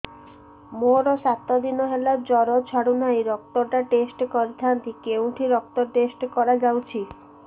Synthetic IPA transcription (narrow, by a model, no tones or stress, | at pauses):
moɾɔsat̪ɔd̪inɔɦelad͡ʒɔɾɔt͡ʃʰaɽunajɾɔk̚t̪ɔʈaʈesʈkɔɾit̪ʰant̪ikewʈʰiɾɔk̚t̪ɔɾʈesʈkɔɾad͡ʒawt͡ʃʰi